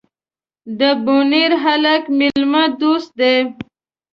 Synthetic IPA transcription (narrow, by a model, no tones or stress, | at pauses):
d̪əbuniɾɦalakmɪlməd̪ust̪̚d̪e